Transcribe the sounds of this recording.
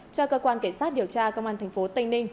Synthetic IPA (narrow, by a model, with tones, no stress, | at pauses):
t͡ɕɔ˧kəː˧kwaː˧nke˧˩nsaː˦˥t̚ɗi˨˩əwt͡ɕaː˧kə˧wŋ͡mʔaː˧nt̪ʰŋfo˨˦t̪ï˧ŋ̟nï˧ŋ̟